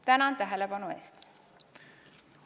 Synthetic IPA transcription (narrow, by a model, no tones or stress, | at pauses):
t̪ænɑnt̪æɦelepɑnue̞̰ːst̪